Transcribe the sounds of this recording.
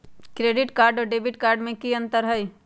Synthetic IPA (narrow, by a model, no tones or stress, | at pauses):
kɾeːɖɪʈkaːɾɖɔːɖeːbɪʈ̚kaːɾɖmẽkiə̃nt̪əɾɦəj